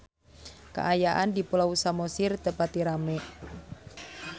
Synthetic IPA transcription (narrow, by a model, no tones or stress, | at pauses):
ka̰ʔajaʔandipulausamosirt̪əpat̪iɾamɛ